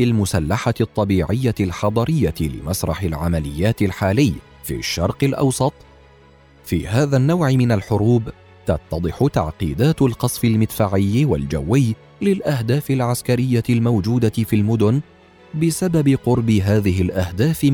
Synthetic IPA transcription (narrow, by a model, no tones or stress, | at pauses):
ɪlmʊsalːaħaɪt̪ˤːɑbiːʕɪjːaɪlħɑd̪ˤɑɾɪjːaɪlɪ̰masɾˤɑħɪlʕamalɪjːaːt̪ɪlħaːlɪjː | fḭːʃːɑɾˤqɪlʔɑ̰wsˤɑt̪ˤ | fḭːhaːðanːawʕɪmɪnalħʊɾuːb | t̪ɑt̪ːɑd̪ˤɨħʊt̪a̰ʕqḭːd̪aːt̪ʊlqɑsˤfɪlmɪt̪faːʕɪjːwa̰ld͡ʒa̰wːɪjː | lɪlʔahd̪aːfɪlʕaskaɾɪjːaɪlmawd͡ʒuːd̪afilmʊd̪ʊn | bɪsababɪqʊɾˤbɪɦaːðɪɦɪlʔahd̪aːf